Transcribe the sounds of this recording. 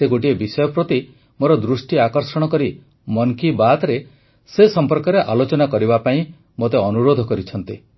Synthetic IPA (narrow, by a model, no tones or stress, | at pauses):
seɡoʈiebisɔjɔpɾot̪i | moɾɔd̪ɾusʈiakɔɾsɔɽ̃ɔkɔɾi | mɔŋkibat̪ɾe | sesɔmpɔɾkɔɾeʔalot͡ʃɔnakɔɾibapaĩ | mot̪eɔnuɾod̪ʱɔkɔɾit͡ʃʰɔnt̪i